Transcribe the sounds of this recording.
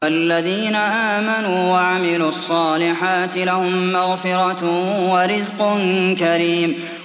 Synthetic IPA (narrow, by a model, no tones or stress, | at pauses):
alːaðiːnaʔaːmanuːwaʕamɪluːɑsˤːɑːlɪħaːt̪ɪlahʊmːaɣfɪɾˤɑwaɾɪzqʊnkaɾiːm